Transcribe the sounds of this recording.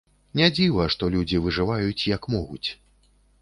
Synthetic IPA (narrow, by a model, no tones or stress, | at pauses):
nʲad͡zʲivɐʂt̪ɔlʲud͡zʲivɨʐɨvajut͡sʲjɐkmɔɣut͡sʲ